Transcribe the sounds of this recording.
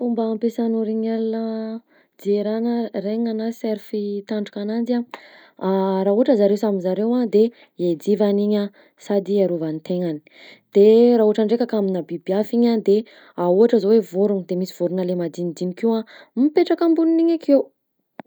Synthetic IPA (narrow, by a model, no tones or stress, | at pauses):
fumbaːmpesanuɾiɲalanə | d͡zieɾanəreŋanaseɾfit̪aɳɖ͡ʐukanand͡za | ɾauaʈ͡ʂəzaɾewsamizaɾewad̪e | ed͡zivaniɲa | sad̪iaɾuvant̪eŋani̥ | d̪̥eɾaɦuaʈ͡ʂaɳɖ͡ʐekʲakaminabibiafiɲad̪e | auaʈ͡ʂəzowevoɾund̪emisiv̥oɾunəlemad̪inid̪inikuampeʈ͡ʂakambuniniɲakʰew